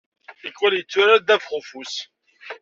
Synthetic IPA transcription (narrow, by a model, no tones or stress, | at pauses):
əkːwæljət͡sːʊɾæd̪ævfχʊfus